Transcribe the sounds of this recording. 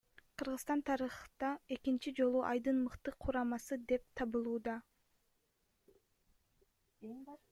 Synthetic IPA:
qʰɯɾʁɯzt̪ɑnt̪ʰɑɾɯχt̪ɑe̞kint͡ʃid͡ʒo̞lˠuʔɑ̰jd̪ɯnmɯqt̪ɯqʰuɾɑmɑsɯd̪e̞p̚t̪ʰɑβɯlˠuːd̪ɑ

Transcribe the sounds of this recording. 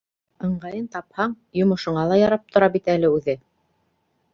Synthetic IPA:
ɤ̆ɴɢɑjɤnt̪ɑphɑɴ | jŏmŏʃŏɴɑlˠɑjɑɾɑp̚t̪ŏɾɑbit̪ælɘʉðɘ

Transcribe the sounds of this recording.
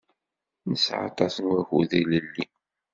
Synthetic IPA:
nəsʕɑ̰t̪ˤɑsənwæxuðləlːi

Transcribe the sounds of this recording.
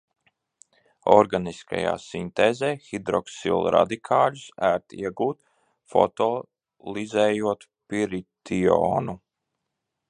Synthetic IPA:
ɔɾɡaniska̰ja̰ːsint̪eːzeːxid̪ɾɔksḭlˠɾa̰d̪ikʰaːlusæːɾt̪ḭɛɡuːt̪ | fɔ̰t̪ɔ | lˠizɛːjuɔt̪ | piɾit̪io̰ːnu

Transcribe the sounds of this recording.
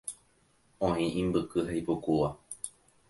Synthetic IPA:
õĩʔĩmbɨkɨhaipukuʋa

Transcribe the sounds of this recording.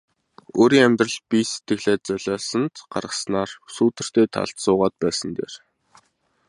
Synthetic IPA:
oːɾiːŋæmʲt̪rə̆ɮpise̥t̪ɡɘ̆xɮeːt͡sœɮɔːsə̆nt̪ɢ̥a̰rʁə̆snaːrsuːt̪ɘ̆r̥t̪eːt̪ʰa̰ɮt̪sʊːʁaːt̪̚pæːsə̆nt̪ḛːr

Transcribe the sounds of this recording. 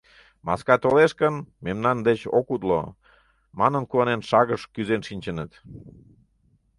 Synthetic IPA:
mɑ̰skɑt̪oleʃkənmemnɑnd̪et͡ɕo̰kut̪lo̰ | mɑnənkuɑnenʃɑɣəʃkyzenʃinʲt͡ɕənət̪

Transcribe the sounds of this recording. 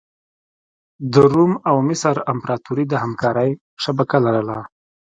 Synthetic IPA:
d̪əɾumawmɪsəɾampɾɑt̪uɾid̪əhamkɑɾəj | ʂabakalaɾəla

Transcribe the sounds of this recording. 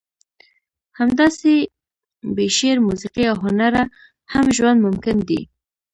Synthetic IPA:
hamd̪ɑse | beʃeɾmusiqiawɦʊnaɾa | hamʒwand̪mʊmkɪnd̪ḭ

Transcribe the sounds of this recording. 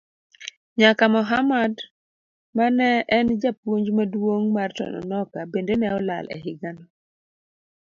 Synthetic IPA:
ɲakamɔɦamad | manɛɛnd͡ʒap̚woɲd͡ʒmadwoŋmartɔ̰nɔ̰nɔkabendenɛɔla̰lɛ̰ɦɪɡanɔ

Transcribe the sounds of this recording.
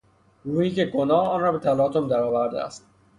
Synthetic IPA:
ɾuːhiːce̞ɡonɒːɒːnrɒːbe̞t̪ʰælɒːt̪ʰomd̪æɾɒːvæɾd̪ḛæ̰st̪̚

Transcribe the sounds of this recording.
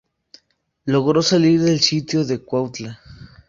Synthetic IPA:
loɣɾo̞saliɾðe̞lsit̪joðe̞kwawt̪la

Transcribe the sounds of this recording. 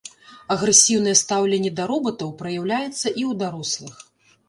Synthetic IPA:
ɐɣɾɛsʲiwnɨjɛst̪awlʲɛnʲːɛd̪ɐɾɔbɐt̪ɐwpɾɐjawlʲajɛt̪sːɐʔiwd̪aɾɔslˠɨx

